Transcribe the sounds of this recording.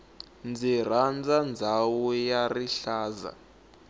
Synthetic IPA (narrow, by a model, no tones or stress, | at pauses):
nd͡zir̤and͡zand͡zʱawɔjariɬaːza̰